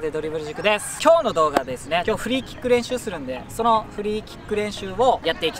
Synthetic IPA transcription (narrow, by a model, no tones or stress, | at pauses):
d̪e̞d̪o̞ɾʲibɯ̟ɾiʑikːɯ̟d̪e̞sɨ̥kʲo̞ːno̞d̪o̞ːɡad̪e̞sɨne̞kʲo̞ːɸɯ̟ɾʲiːkʲi̥kːɯ̟ɾẽ̞ɰ̃ɕɨːsɨɾɯ̟̃nd̪e̞so̞no̞ɸɯ̟ɾʲiːkʲi̥kːɯ̟ɾẽ̞ɰ̃ɕɨːo̞jat̪ːe̞ikʲi